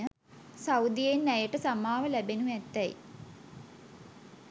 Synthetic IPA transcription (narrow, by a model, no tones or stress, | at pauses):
ə | sawd̪ijenːæjəʈəsamaːʋəlæbenuɛt̪ːɛj̰